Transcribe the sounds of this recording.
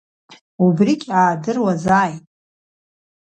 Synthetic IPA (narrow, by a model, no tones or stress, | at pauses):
ubrikʲʼaːdɨrwazaːjtʼ